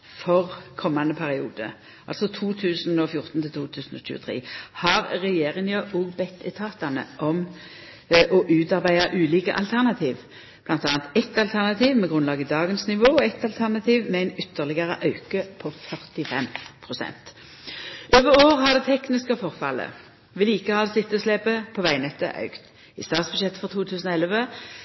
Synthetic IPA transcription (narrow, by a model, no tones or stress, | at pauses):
fɔʁkʰɔmːanəpʰæʁɪṵːd̪ə̰ | ʔɑlsɔt̪ʰuːt̪ʰʉːsnɔfjʊʁt̪n̩t̪ʰɪlt̪uːt̪ʰʉːsn̩ɔ̰ɕʉ̰ːə̰t̪ʰʁḛːhɑʁʁɛjeːʁɪŋjɑʔɔːɡbɛt̪ːɛt̪ʰɑːt̪ɑnə̰ʔɔm | ʔɔʔʉːt̪ɑʁbæɪɑʔʉːliːkəʔɑ̰lt̪ʰæʁnɑt̪ʰiːʋ | b̥lɑnt̪ɑːnt̪ɛt̪ɑlt̪ʰæʁnɑt̪ʰiːʋmɛɡʁʉnlɑːɡəd̪ɑːɡənsnɪʋoːɔɛt̪ɑlt̪ʰæʁnɑt̪ʰiːʋmɛæɪnʏt̪ːəʁlɪɡɑʁəʔɑʉkəpʰɔfœʁt̪ɪfɛ̰mpʰʁʊsɛ̰nt̪ | ʔøːʋəʁoːʁhɑʁd̪ɛt̪ʰɛknɪskəfɔʁfɑ̰lːə̰ | ʋɪliːkəhɑːd̪sɪt̪ːəɔslɛbəpʰɔʋæɪnɛt̪ːə̰ʔɑ̰ʉkt̪ | ɪ̰st̪ɑːt̪sb̥ʉ̥jɛt̪ːfɔʁt̪ʰuːt̪ʰʉːsənɔɛlʋə